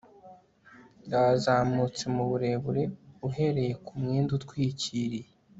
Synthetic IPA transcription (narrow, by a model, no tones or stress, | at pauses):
ndaːzaːmut͡se̞muβuɾe̞βuɾe̞uɦe̞ɾe̞je̞kumŋiːndutkwiːciɾije